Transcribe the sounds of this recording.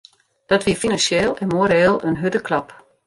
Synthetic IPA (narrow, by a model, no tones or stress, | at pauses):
d̥ɔtʋiəfinansjeːlˠɛnmoəɾeːlˠənɦødəklɑp